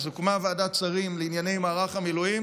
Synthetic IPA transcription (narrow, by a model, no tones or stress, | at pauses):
zukumaveaːd̪at͡saʁimleinjanejmaːʁaχamiluim